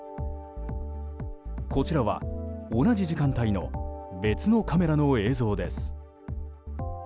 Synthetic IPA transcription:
ko̞t͡ɕiɾaβa̰onaʑiʑikãnt̪aino̞be̞t͡sɨno̞kame̞ɾano̞e̞ːzo̞ːd̪e̞sɨ̥

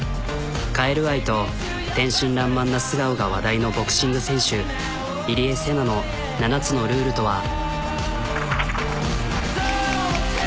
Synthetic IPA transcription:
kaeɾɯ̟βait̪o̞ | t̪ẽ̞ɰ̃ɕĩnɾãmːãnːasɨɡaɯ̟ɡaβad̪aino̞bo̞kɯ̟̥ɕĩŋɡɯ̟sẽ̞ɰ̃ɕɨ | iɾʲiese̞nano̞ | nanat͡sɨno̞ɾɯ̟ːɾɯ̟t̪o̞βa

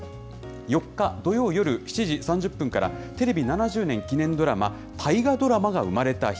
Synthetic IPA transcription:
jo̞kːad̪o̞jo̞ːjo̞ɾɯ̟çi̥t͡ɕiʑisãɲ̟d͡ʑɯpːɯ̟ŋkaɾa̰t̪e̞ɾe̞bʲinanaʑɨːnẽŋkʲinẽ̞nd̪o̞ɾama̰ | t̪ʰaiɡad̪o̞ɾamaɡaɯ̟̰maɾe̞t̪aç̥

